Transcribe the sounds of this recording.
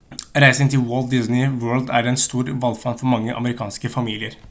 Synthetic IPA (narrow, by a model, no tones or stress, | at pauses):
ɾæɪsəŋt̪ʰɪlwoːlt̪̚d̪ɪsnɪwøːld̪æɾɛnst̪uːɾʋɑlfɑnfɔɾmɑŋːəʔɑ̰məɾɪkʰɑːnskəfɑmiːlɪəɾ